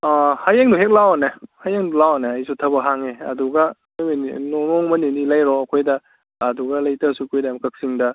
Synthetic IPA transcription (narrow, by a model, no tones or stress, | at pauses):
ahajeŋduɦek̚lawanɐhajeŋdulawanɐːjsutʰɐbɐɦaŋeɐ̰duɡɐnmennonɔŋmɐninilajɾɔɐkʰojdɐː | duɡɐlɐjtɐsukʰojdamkɐk̚siŋdɐ